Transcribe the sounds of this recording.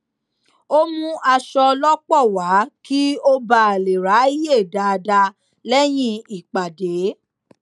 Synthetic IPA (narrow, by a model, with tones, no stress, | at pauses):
o˦mũ˦ʔa˧ʃɔ˧lɔ˦k͡pɔ˦˨wa˨˦ki˦o˦ba˦a˨le˨ɾa˨˦i˦je˦˨da˨˧da˧ | lɛ˦j̃ĩ˧i˨k͡pa˨de˨˦